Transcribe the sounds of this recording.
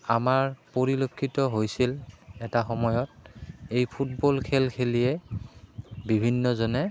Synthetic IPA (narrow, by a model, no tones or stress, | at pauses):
amaɹpoɹilokʰːitɔɦojsilɛtaxɔmɔjɔtejpʰutbɔlkʰelkʰelijɛ | bibʱinːɔzɔnɛ